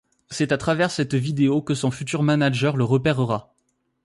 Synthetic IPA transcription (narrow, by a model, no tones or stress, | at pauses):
sɛt̪at̪χavɛʁsɛt̪vid̪eokəsɔ̃fyt̪yʁmanaʒœʁləʁəpɛʁəʁa